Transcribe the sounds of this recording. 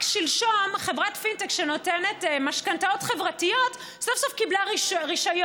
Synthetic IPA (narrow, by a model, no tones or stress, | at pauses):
ʃilʃomχe̞vʁatfintekʃeno̞tene̞tmaʃkantao̞tχevʁatijo̞t | sofsofkiblaʁiʃʁiʃajo